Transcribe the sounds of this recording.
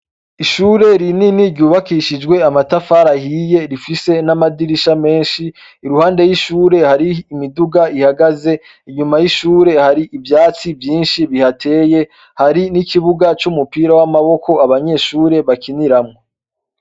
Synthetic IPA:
iʃuːɾe̞ɾininiɾɟuːβakiʃid͡ʒɡwe̞amatafaːɾahiːje̞ɾifise̞namadiɾiʃame̞ːnʃiː | ɾuhaːnde̞jiʃuːɾe̞haɾiːmiduɡaihaɡaze̞ | iɲumajiʃuːɾe̞haɾiʔivjaːt͡sivjiːnʃiβihatʰe̞ːje̞ | haɾinikʰiβuɡat͡ʃumupiːɾawamaβo̞kʰo̞aβaɲe̞ʃuːɾeβakiniɾamŋo

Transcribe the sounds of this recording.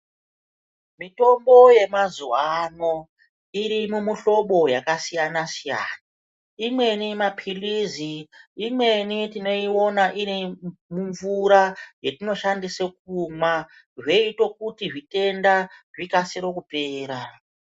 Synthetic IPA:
mito̞mbo̞je̞mazuano | iɾimumuɬo̞ɓo̞jakasijanasijaːna | imwe̞nimapʰiliziimwe̞nitino̞io̞naʔirimuɱvuɾajetino̞ʃandisek̚uma | ʐe̞itwokutiʐite̞ndaʐikasiɾokupe̞ːɾa

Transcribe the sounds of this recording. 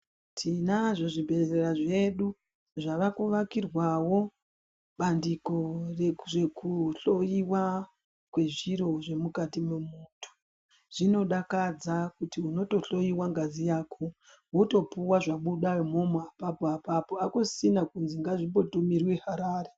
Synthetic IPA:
tʰinaʐoʐibʱe̞eraʐe̞ɗu | ʐaʋakuʋakirwawo̞ | ɓandiko̞rere̞kuɬo̞iwa | kwe̞ʐiɾo̞ʐe̞mukatimemuːtu̥ | ʐ̥ino̞ɗakad͡zakutiuno̞to̞ɬo̞jiwaŋɡazijaːkʰo̞ | woto̞puwaʐaɓuɗamo̞moapapoapapo̞akosinakunziŋɡaʐibo̞tumirweɦaɾaːre

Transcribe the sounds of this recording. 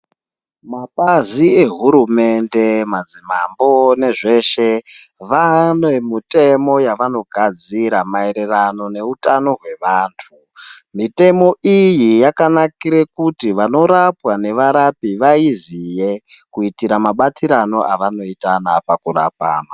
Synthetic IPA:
maɓazie̞ɦuɾume̞nde̞mad͡zimambo̞ne̞ʐe̞ʃe̞ | ʋanomite̞mo̞jaʋano̞ɡʱad͡ziɾamae̞ɾe̞rano̞ne̞utano̞ɦwe̞ʋaːntʰu | mite̞mo̞ijijakanakiɾekutiʋano̞ɾapwane̞ʋaɾapiʋaizije̞ | kuitiɾamaɓat͡siɾano̞ʔaʋano̞itanapakura̰pa̰ːna

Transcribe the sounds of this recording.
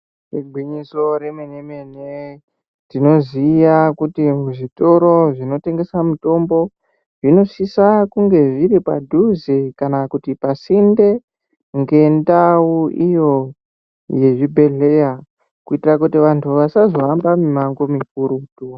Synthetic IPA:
reɡʱiɲiso̞ɾe̞menemene | tino̞zijakutimuʐito̞ɾo̞ʐino̞te̞ŋɡe̞samuto̞mbo̞ | ʐ̥ino̞sisakuŋɡe̞ʐiɾipa̰dʱuzikanakutipasinde̞ | ŋɡe̞ndauʔijo̞ | je̞ʐibʱe̞ɮe̞ja | kuitirakutiʋantʰuʋasazo̞ambamimaŋɡomik̚uɾutu

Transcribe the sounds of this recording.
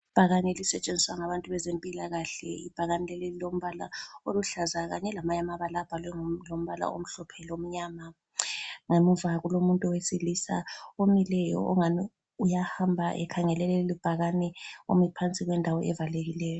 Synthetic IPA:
ib̥ʱaɣanɛlisɛt͡ʃʼend͡zʱiswaŋaβantʼuβɛzempʼilaɣaɬɛ̰ḭb̥ʱaɣanɛlɛlililom̩βala̰oluɬazaɣa̰ɲɛlamaɲamaβalab̥ʱalwɛŋlom̩βala̰o̰m̩ɬɔpʰɛlom̩ɲaːma | ŋemuvaɣulomuntʼɔwesilisa̰omilɛjɔ̰ɔŋani | ujahambʱaʔɛ̰kʰaŋɛlɛlɛlib̥ʱaɣanɛo̰mipʰant͡sʼiɣwɛndʱawɔʔɛvaleɣilɛːjɔ

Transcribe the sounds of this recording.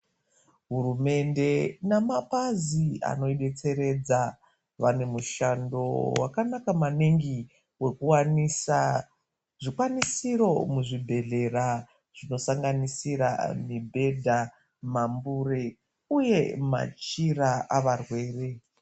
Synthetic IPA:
ɦurume̞nde̞namapazia̰no̞iɗe̞t͡se̞ɾe̞d͡za | ʋane̞muʃando̞̰wakanakamaneŋɡi | we̞kuwanisa | ʐikwanisiɾo̞muʐibʱe̞ɮe̞ra | ʐ̥ino̞saŋɡanisiɾa̰mibʱe̞dʱa | mambure | uje̞ma̰t͡ʃiɾaʔaʋarwe̞ːre̞

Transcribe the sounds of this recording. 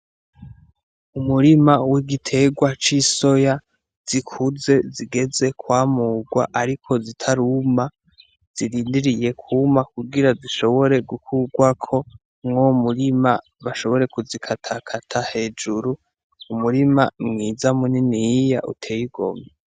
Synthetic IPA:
umuɾimawiɡitʰe̞ɡwat͡ʃiso̞ja | z̥ikʰuze̞ziɡe̞ze̞kwaːmuːɡwa̰ʔaɾikʰo̞zitʰaɾuma | z̥iɾiːndiɾije̞kʰumakuɡiɾaziʃo̞βo̞ɾe̞ɡukʰuɡwakʰo̞ | ŋŋomuɾima | βaʃo̞βo̞ɾe̞kuzikʰatʰakʰatʰahe̞ːd͡ʒuɾu | umuɾimamŋiːzamuninijja̰ʔṵtʰe̞ːjiɡo̞̰me

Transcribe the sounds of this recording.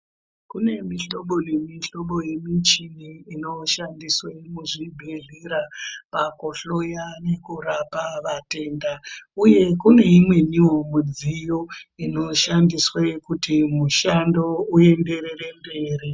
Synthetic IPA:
kune̞miɬo̞ɓo̞nemiɬo̞ɓo̞je̞mit͡ʃiniino̞ʃandiswemuʐibʱeɮiɾapakoɬo̞jane̞kuɾapaʋate̞ːndauje̞kune̞imwe̞ɲiwomud͡zijo̞ino̞ʃandiswekutimuʃando̞ue̞nde̞re̞re̞mbe̞ːri

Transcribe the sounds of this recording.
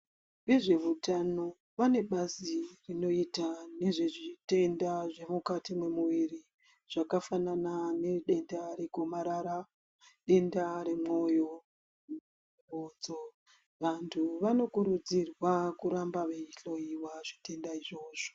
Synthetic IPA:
ʋiʐe̞ʋutano̞ | ʋane̞ɓazirino̞itane̞ʐe̞ʐite̞ndaʐe̞mukatimwe̞muʋiri | ʐ̥akafananane̞ɗe̞ndaɾe̞ko̞maɾaɾa | ɗe̞ndaɾe̞mo̞jo̞ | oːd͡zo | ʋantʰuʋano̞kuɾud͡zirwakuɾambaʋeiɬo̞jiwaʐi̥te̞ndaiʐo̞ːʐ̥o̥

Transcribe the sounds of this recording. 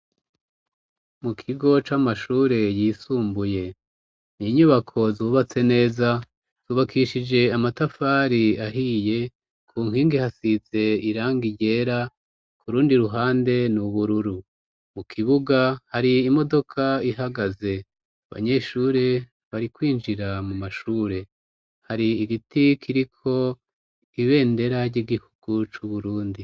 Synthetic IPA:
mukʰiɡo̞t͡ʃamaʃuːɾe̞jiːsuːmbuje̞ | niɲuβakʰo̞zuːβat͡se̞ne̞ːza | z̥uːβakʰiʃid͡ʒe̞amatafaɾiaɦije̞ | kʰuːŋ̥hiːŋɡihasize̞iɾaːŋɡiɟe̞ːɾa | kʰuɾuːndiɾuɦaːnde̞nuβuɾuɾu | mukʰiβuɡahaɾiːmo̞do̞kʰaiɦaɡaze̞ | aβa̰ɲe̞ʃuːɾe̞ | βaɾikwiːnd͡ʒiɾamumaʃuːɾe̞ | haɾiːɡitikʰiɾikʰo̞ | iβe̞ːnde̞ɾaɾɟiɡihuɡ̥ut͡ʃuβuɾuːndi

